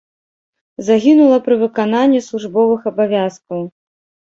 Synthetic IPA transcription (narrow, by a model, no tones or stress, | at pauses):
zaɣʲinulˠɐpɾɨvɨkananʲːislˠuʐbɔvɨxɐbavʲaskɐw